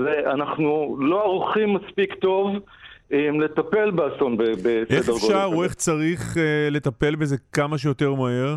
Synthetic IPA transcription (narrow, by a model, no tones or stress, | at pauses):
zeʔanaχnulo̞aʁuχimːaspikt̪o̞v | mle̞t̪ape̞lbeaso̞nbebeseeχdeʁɡoʃaʁoeχt͡saʁiχle̞t̪ape̞lbeze̞kamaʃ̬ejo̞t̪e̞ʁmaɦe̞ʁ